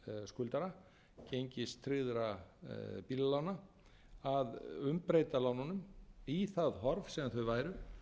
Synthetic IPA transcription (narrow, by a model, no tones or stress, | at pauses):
skʏlt̪aɾa | cejɲcɪst̪ʰɾɪðɾa | pillawna | aðʏmpɾejt̪alawnanʏmiθaðɦɔɾvsɛːmanθœɥvaːjɾʏ